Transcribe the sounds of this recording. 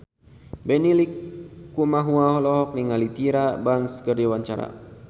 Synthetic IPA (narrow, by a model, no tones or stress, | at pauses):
bɛnilikːumaɦuaɦɔlɔɦɔk̚niŋalit̪iɾabaŋskərdiwaɲt͡ʃaɾa̰